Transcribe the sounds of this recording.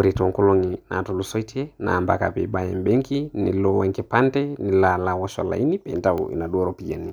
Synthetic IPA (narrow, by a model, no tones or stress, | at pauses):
uɾitɔŋkɔlɔŋinʔa̰tɔlusɔitʰɛna̰mba̰ka̰pɛ̰ɓajɛmbɛŋkinḭlɔwɛŋkɛpandɛnilalawɔʃɔ̰la̰inipɛntaṵḭnaɗuɔɾɔpijani